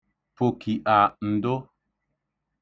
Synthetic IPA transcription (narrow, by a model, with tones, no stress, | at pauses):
po˨ki˨ʔa˨n̩˨do˦